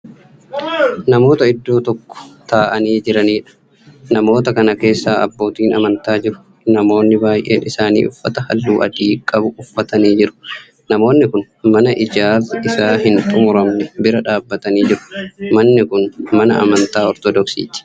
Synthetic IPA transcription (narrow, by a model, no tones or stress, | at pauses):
nɐmo̞ːt̪ɐɪd̪ːo̞ːt̪ɔkːɔ̥t̪aːʔɐniːd͡ʒɪɾɐniːᶑɐ̥ | nɐmo̞ːt̪ɐkɐnɐke̞ːsːaːɐ̰bːo̞ːt̪iːnɐmɐnt̪aːd͡ʒɪɾʊ̥ | nɐmo̞ːnːɪbaːjʔe̞̰ːnɪsaːnḭːʔʊfːɐt̪ɐhɐ̰lːuːʔɐ̰d̪iːkʼːɐbʊʊfːɐt̪ɐniːd͡ʒɪɾʊ̥ | nɐmo̞ːnːɪkʊn | mɐnɐʔɪd͡ʒaːɾɪsaːɦɪnt̪ʼʊmʊɾɐmnɛbɪɾɐᶑaːbːɐt̪ɐniːd͡ʒɪɾʊ̥mɐnːɪkʊnmɐnɐ̰ʔɐ̰mɐnt̪aːɔɾt̪ɔd̪ɔksḭːt̪ɪ̥